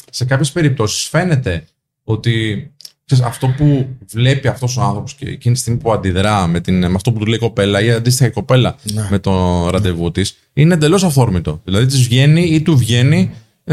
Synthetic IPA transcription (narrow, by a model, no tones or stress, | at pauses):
se̞k̬ɐpçe̞spe̞ɾip̚t̪o̞si̥sfe̞ne̞t̪e̞ | o̞t̪i | sesɐft̪o̞puvle̞piɐft̪o̞soɐnθɾo̞po̞scḛcinist̪imipuɐnd̪iðɾɐme̞t̪inmeɐft̪oput̪uleiko̞pe̞lɐiɐnd̪is̬t̪ixɐiko̞pe̞lɐme̞t̪o̞ɾɐnd̪e̞vot̪is | inend̪elo̞sɐfθo̞ɾmit̪o̞ðilɐðit̪izvʝe̞niit̪uvʝe̞ni